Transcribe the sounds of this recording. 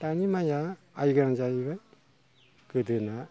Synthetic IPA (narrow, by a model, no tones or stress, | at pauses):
tanimajaː | jɡɾaŋzajbaj | kɯdɯna